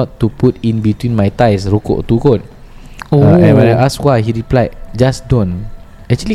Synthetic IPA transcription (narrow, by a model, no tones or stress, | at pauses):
ɔtːuputĩnbitwĩnmajtajsɹoko̰ʔt̪ukot̚ | oaɛ̃wɛ̃naʔaskwajɦiɹiplajt̚d͡ʒasdɔ̃n | ɛk̚t͡ʃuəli